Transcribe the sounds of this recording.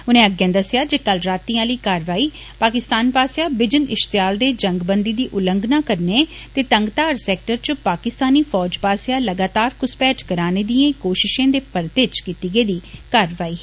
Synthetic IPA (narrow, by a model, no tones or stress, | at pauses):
ʊnẽːəɡjãːd̪əsɪjaːd͡ʒeːkəlɾaːt̪iːãːləiːkaːɾʋaːiː | paːkɪst̪aːnpaːsejaːbɪd͡ʒənɪʃt̪jaːld̪eːd͡ʒəŋɡbənd̪iːd̪iːʔʊlə̃ŋɡnãːkəɾneː | t̪eːt̪əŋɡt̪aːɾsɛːk̚ʈəɾt͡ʃpaːkɪst̪aːniːfʰɔːd͡ʒpaːsejãːləɡaːt̪aːɾkʊspɛːʈkəɾaːneːd̪iẽkoːʃɪʃẽːd̪eːpəɾt̪eːt͡ʃkiːt̪iːɡeːd̪iːkaːɾʋaːiː